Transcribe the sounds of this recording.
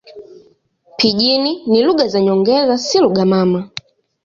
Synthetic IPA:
pʰiʄininiluɡazaɲɔŋɡɛzasiluɡamama

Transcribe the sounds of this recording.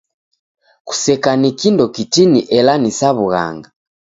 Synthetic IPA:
ku̥sɛkanikindɔkitiniʔɛlanisaβuɣa̰ŋɡa

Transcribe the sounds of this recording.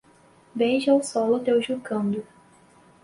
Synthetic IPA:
bejʒawsɔlʊt̪ewʒukɐ̃nd̪ʊ

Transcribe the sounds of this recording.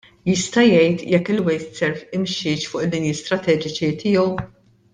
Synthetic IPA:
jɪst̪ɐjɛjt̪jɛkːɪlwɛjt̪sɛɾfɪmʃɪːt͡ʃfʊːʔɪd̪ːɪnjiːst̪ɾɐt̪ɛːd͡ʒɪt͡ʃit̪ʰɪjɔw

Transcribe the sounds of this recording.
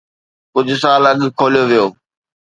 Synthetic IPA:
kʊd͡ʑʱʊsaːlɐɠkʰoːlijoʋijoː

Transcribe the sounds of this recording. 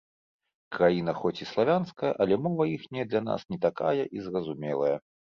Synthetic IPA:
kɾajinɐxɔt͡sʲislˠavʲanskɐjɐʔɐlʲɛmɔvɐixnʲɛd̪lʲɐn̪a̰snʲɛt̪aka̰jɐʔizrɐzumʲɛlˠɐjɐ

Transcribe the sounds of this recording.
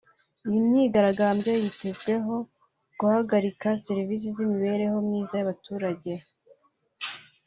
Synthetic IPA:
ijimɲiːɡaɾaɡaːmbje̞jite̞zɡwe̞ɦo̞ | ɡ̥uhaɡaɾikaseɾivis̬izimiβe̞ɾe̞ho̞mɲiːzajaβatuːɾaɟe̞

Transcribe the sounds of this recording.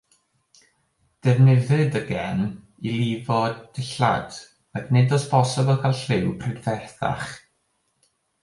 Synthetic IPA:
d̥ɛvnɪðɨdəɡɛn | ilˠivɔd̥ɪɬa̰d̥ | aknɨdɔspʰɔsɪbəlˠkʰalˠɬɪwpʰrɪdvɛrθa̰χ

